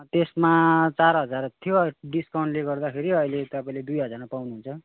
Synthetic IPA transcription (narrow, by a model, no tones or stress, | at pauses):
t̪esmat͡saɾɦʌd͡zart̪ʰjoɖiskaw̃ɳɖleɡʌrd̪akʰeɾiʌjlet̪ʌpaĩled̪ujɦʌd͡zarmapawnuɦunt͡sʰʌ